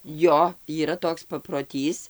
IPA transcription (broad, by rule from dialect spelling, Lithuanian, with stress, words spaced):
ˈjoː iːˈrɐ ˈtoːks pɐproːˈtʲiːs